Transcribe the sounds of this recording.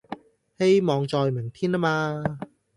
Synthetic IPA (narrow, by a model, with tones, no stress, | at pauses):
he˧jmɔː˨˧ŋt͡sɔː˧jme˨˩ŋt̪ʰiː˥nla˥maː˧